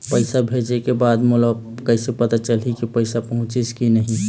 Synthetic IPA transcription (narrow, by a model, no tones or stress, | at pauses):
pəɪsabʱed͡ʒekebad̪muləb | kəɪsepət̪at͡ʃəlɦikipəɪsapəɦʊ̃t͡ʃiskinəɦi